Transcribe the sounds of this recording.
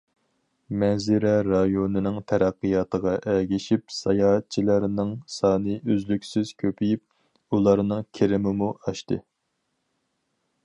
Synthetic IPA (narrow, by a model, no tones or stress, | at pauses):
mɛzɪɾɛɾɑjonɨnɨŋt̪ʰæɾæqːɨjɑːt̪əʁɑʔɛɡʲiʃipsɑjɑːɦt̪̚t͡ʃʰilˠæɾnɨŋsɑːnɨʔøzlykʲsyz̥kʲʰøpʰijip̚ | ulˠɑɾnɨŋkʲʰeɾɪmɪmuʔɑʃt̪ɨ